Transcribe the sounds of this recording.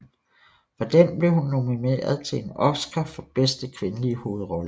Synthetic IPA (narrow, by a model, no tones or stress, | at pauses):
fɑd̥enb̥le̝hunːomine̝̰ɐð̞ˠt͡sʰe̝enɒ̽fsɡ̥ʰɐfɒ̽b̥esd̥əkʰʋe̝nəliəho̝ːð̩ˠʁɒ̽lə